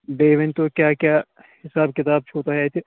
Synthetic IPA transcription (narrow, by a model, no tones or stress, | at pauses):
beːʋɪnt̪okjaːkjaː | hɪsaːb̚kɪt̪aːb̚t͡ʃʰoːt̪aɦɛt̪ʰe